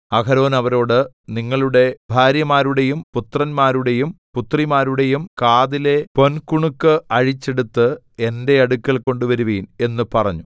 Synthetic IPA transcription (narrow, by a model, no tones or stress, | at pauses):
ɐkɐɾo̞ːnɐʋɐɾo̞ːɽɨ | niŋːɐɭuɽe̞bʱaːɾjɐmaːɾuɽe̞jumput̪rɐnmaːɾuɽe̞jumput̪rimaːɾuɽe̞jumkaːðile̞po̞nkuɳukːɨɐɻit͡ɕːe̞ɽut̪ːɨ | e̞nde̞ɐɽukːɐɭko̞ɳɖuʋɐɾuʋiːne̞nːɨpɐrɐ̰ɲːu